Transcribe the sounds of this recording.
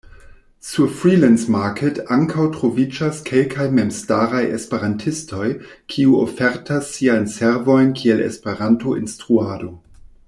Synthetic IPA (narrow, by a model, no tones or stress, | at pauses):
sufɾilɛnsmakʰetaŋkʰawtʁo̞vid͡ʒaskʰelkʰajmemstaɾajʔḛspeɾantʰisto̞jkʰiuo̰feɾtʰasːiajnseɾvo̞jnkʰielḛspeɾantoinstʁuado̞